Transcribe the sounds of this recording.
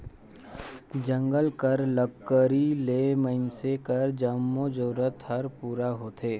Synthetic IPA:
d͡ʒə̃ŋɡəlkəɾləkːəɾileːməɪnsekəɾd͡ʒəmːod͡ʒoːɾət̪hɐɾpuːɾaɦoːt̪ʰeː

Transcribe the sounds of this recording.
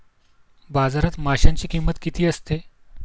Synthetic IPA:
bad͡zaɾat̪maɕaɲt͡ɕiːkimət̪kit̪ʰiːəst̪e

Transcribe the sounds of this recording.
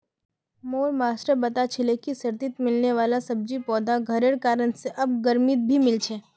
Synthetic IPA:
moɾmaːsɾəbət̪at͡ʃʰɪlekisəɾt̪it̪mɪlneʋalasəb̚d͡ʒipɔːd̪ʱaɡʱəɾeɽkaːɾəɳseʔɐb̚ɡəɾmit̪̚bʱimɪlt͡ʃʰe

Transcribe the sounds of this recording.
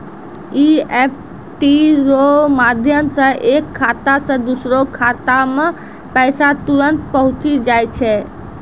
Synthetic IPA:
iep̚ʰ | ʈiɾomad̪ʱjəmsə̃ʔekʰːat̪asə̃d̪usɾokʰat̪amẽ | pɛɪsat̪uɾənt̪pəɦʊ̃t͡ʃid͡ʒajt͡ʃʰɛ

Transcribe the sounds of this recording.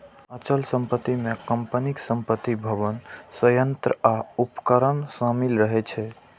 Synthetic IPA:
ət͡ʃəlsəmpət̪ːimekəmpəniksəmpət̪ːibʱəbənsəjənt̪ɾəaupkəɾənsəmilɾəɦɛt͡ʃʰɛ

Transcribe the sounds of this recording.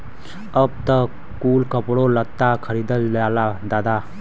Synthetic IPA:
əb̚t̪ə | kuːlkəpɽolət̪ːakʰəɾid̪əlalad̪aːd̪a

